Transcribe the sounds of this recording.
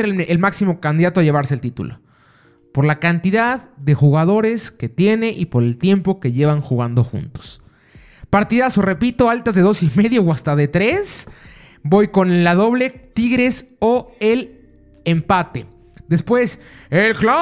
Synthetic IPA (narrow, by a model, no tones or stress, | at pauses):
ɾelmaksimo̞kand̪iðat̪oaʝe̞β̞aɾse̞ːlt̪it̪ṵlo̞̰ | po̞ɾlakant̪iðaððe̞xuɣaðo̞ɾe̞ske̞t̪je̞ne̞ʔipo̞ɾe̞lt̪je̞mpo̞ke̞ʝe̞βaŋxuɣand̪o̞xṵnt̪o̥s | paɾt̪iðaso̞re̞pit̪o̞alt̪azðe̞ðo̞sime̞ðjowast̪aðe̞t̪ɾe̞s | bo̞jko̞nelaðo̞βle̞t̪iɣɾe̞so̞el | empat̪e̞ | ðe̞spwe̞selkla